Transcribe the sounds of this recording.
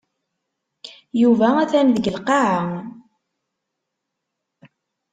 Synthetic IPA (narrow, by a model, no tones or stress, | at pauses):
juvææθænðəɡəlqɑʕa